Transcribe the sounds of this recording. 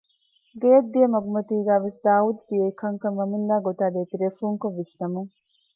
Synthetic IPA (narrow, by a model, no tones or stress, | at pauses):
ɡeːɐd̪ːijɐmɐɡumɐt̪iːɡæːʋesd̪aːud̪̚d̪ijɐikɐŋkɐnʋɐmund̪aːɡot̪aːd̪eːt̪iɾeːfuːŋkoʋːisnɐmuŋ